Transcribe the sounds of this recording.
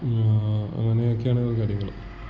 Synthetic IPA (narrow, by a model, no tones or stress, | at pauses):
ɐ̰ŋːɐne̞okːejaːɳɨðɨkɐɽjuŋːɐɭum